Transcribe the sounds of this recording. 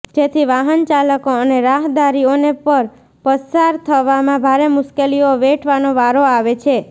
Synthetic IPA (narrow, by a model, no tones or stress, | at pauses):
d͡ʒet̪ʰiʋaɦənt͡ʃaləkoəneɾaɦd̪aɾionepəɾ | pəsaɾt̪ʰəʋamãbʱaɾemʊʃkelioʋeʈʰʋanoʋaɾoaʋet͡ʃʰe